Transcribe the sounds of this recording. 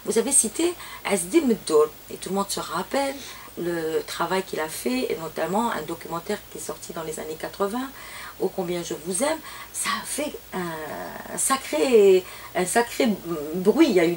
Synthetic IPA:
vuzavesit̪eɛzd̪eməd̪ɔl | ḛt̪ulmɔ̃d̪səʁapɛlː | ət̪χavajkilafɛḛvɑ̃t̪ɥɛlmɑ̃ʔɛ̰̃d̪ɔkʲymɑ̃t̪ɛʁkʲiɛsɔʁt̪ʰid̪ɑ̃leza̰nekat̪χəvɛ̃uokɔ̃bjɛ̃ʒəvuzɛmsaːfɛɛ̃ | sakχe | ɛ̃sakχebʁɥiay

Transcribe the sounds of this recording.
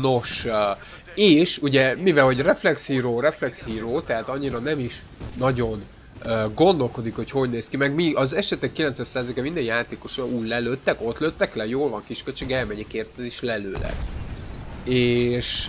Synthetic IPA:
no̞ʃ | eːʃuɟɛmivɛlhɦo̞ɟrɛflɛkshiːɾoːɾɛflɛkshiːɾoːt̪ɛɦat̪ɒɲːiɾɒnɛmiʃː | ɒɟo̞n | øɡo̞nd̪o̞lko̞d̪ikho̞cho̞ɟneːskimɛɡmiɒzɛʃɛt̪ɛkːilɛnt̪sʋɛt̪saːzeikɛmind̪ɛnjaːt̪eːko̞ʃɒuːllɛløt̪ːɛko̞t̪løt̪ːɛklɛjoːlvɒŋkiʃkølt͡ʃeːɡɛlmɛɲɛkeːrt̪ɛɛzeːʃlɛlø̰ːlɛ̰ɡ | eːʃ

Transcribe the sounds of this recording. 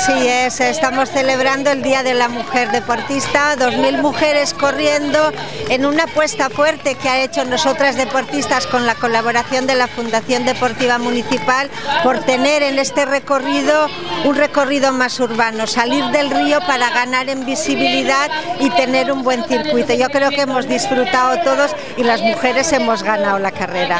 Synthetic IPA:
siesest̪amo̞sθe̞le̞β̞ɾand̪oe̞ld̪iaðe̞lamuxe̞ɾðe̞po̞ɾt̪ist̪aðo̞zmilmuxe̞ɾe̞sko̞rje̞nd̪o̞e̞nunapwe̞st̪afwe̞ɾt̪e̞keae̞t͡ʃo̞no̞so̞t̪ɾazðe̞po̞ɾt̪ist̪asko̞nlako̞laβ̞o̞ɾaθjo̞nd̪e̞lafund̪aθjo̞nd̪e̞po̞ɾt̪iβ̞amũniθipal | po̞ɾt̪e̞ne̞ɾe̞ne̞st̪e̞re̞ko̞rið̞o̞ | unre̞ko̞riðo̞masuɾβano̞saliɾðe̞lrio̞paɾaɣ̞anaɾe̞mbisiβiliðaðit̪e̞ne̞ɾumbwe̞nθiɾkwit̪o̞ʝo̞kɾe̞okemo̞zðisfɾut̪aot̪o̞ð̞o̞s | ilazmuxe̞ɾe̞se̞mo̞zɣanaolakare̞ɾa

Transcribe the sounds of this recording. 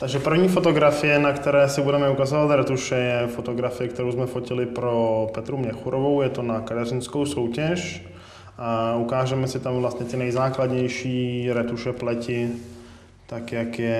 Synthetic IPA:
t̪aɡʒɛpr̩vɲiːfo̞t̪o̞ɡɾafɪjɛnakt̪ɛɾɛːsɪbudɛmɛukazovat̪ɾɛt̪uʃɛjɛfot̪oɡɾafɪjɛk̚t̪ɛɾowzmɛfocɪlɪpɾopɛt̪ɾumɲɛxuɾovowjɛt̪o̞nakat̪ɛrɪnsko̞wsowcɛʃ | ʔaukaːʒɛmɛsɪt̪amvlast̪ɲɛt̪ɪnɛjzaːklad̪ɲɛjʃiːɾɛt̪uʃɛplɛcɪ | t̪akjakjɛ

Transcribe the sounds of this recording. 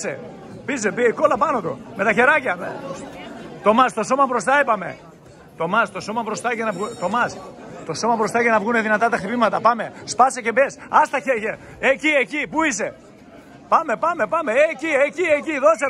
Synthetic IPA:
sḛ | pisepiko̞lɐpɐno̞t̪ṵme̞t̪ɐçe̞ɾɐcɐme | t̪o̞mɐst̪o̞so̞mɐbɾo̞st̪ɐepɐme̞̰ | t̪o̞mɐst̪o̞so̞mɐpɾo̞st̪ɐcenɐvɣut̪o̞mɐst̪o̞so̞mɐbɾo̞st̪ɐcenɐvɣuneðinɐt̪ɐt̪ɐxt̪ipimɐt̪ɐpɐme̞spɐsece̞pesɐst̪ɐçeɾʝɐ | eciecipuise̞ | pɐme̞pɐme̞pɐme̞eciecieciðo̞se

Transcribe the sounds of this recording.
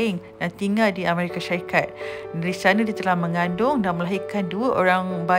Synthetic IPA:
ɪŋdant̪iŋaldiameɾikaʃaɾikat̪̚dɾisanãdiat̪əlahmə̃ŋãndʊŋdanməlaɦikanduəʔoɾaŋba

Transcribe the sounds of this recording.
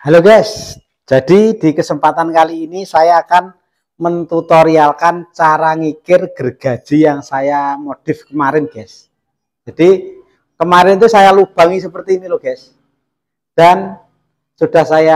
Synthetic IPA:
haloɡɛs | d͡ʒ̥ad̥id̥ikəsəmpat̪ankaliːnisajaːkan | mənt̪ut̪oɾialkant͡ʃaɾaŋikɪrɡ̥ərɡ̥a̤d̥ʒ̥i̤jaŋsajamod̥ɪfkəmaɾɪnɡ̥ɛs | d͡ʒ̥ad̥i | kəmaɾɪnt̪usajalub̥a̤ŋisəpərt̪iːniloɡ̥ɛs | d̥an | sud̥ahsaja

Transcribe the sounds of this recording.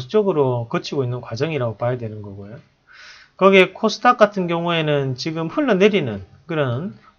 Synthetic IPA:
st͡ɕ͈ʌɡɯɾokʌt͡ɕʰiɡoinːɯnkwad͡ʑʌŋiɾaɡopajidwe̞nɯnɡʌɡojo | kʌɡekʰosʰɯ̥tʰak͈atʰɯnɡjʌŋue̞nɯnt͡ɕiɡɯmɸuɭːʌneɾinɯn | kɯɾʌn

